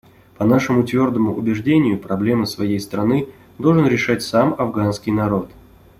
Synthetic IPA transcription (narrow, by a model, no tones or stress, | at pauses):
pɐnaʂɨmʊt̪vʲo̞rd̪əmʊʔʊbʲɪʐdʲenʲɪjʊpɾɐblʲe̞mɨsvɐjejst̪ɾɐnɨ | d̪o̞lˠʐɨnɾʲɪʂatʲsamɐvɡanskʲɪjnɐɾo̞t̪